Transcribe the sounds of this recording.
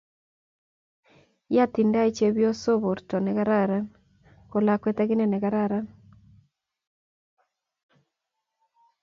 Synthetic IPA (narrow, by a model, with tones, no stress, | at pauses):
ja˦ti˨nda˦i˦t͡ʃe˨βjɔ˦so˦βo˨ɾtɔ˨ne˨ɣa˦ɾa˦ɾa˦ | ko˨la˨kwetaɣi˦ne˨ne˨ɣa˦ɾa˦ɾa˦